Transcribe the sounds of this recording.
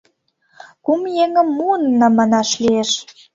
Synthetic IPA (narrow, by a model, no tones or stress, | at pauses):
kumjeŋə̆mːuənːɑmɑnɑʃlieʃ